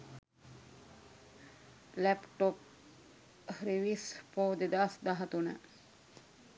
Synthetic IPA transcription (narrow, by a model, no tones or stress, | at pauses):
lɛpʈop̚ | hɾiʋispoːd̪ed̪asd̪aɦat̪unə̰